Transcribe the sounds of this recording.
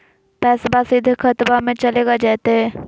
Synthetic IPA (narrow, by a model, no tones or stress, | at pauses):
pɛːsbasɪd̪ʱkʰət̪bamẽt͡ʃɐleːɡad͡ʒaːt̪eɦɛː